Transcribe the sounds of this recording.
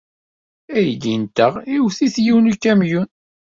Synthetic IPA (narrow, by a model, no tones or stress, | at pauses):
æjəd̪int̪əʁiwθiθjiwnukːæmjun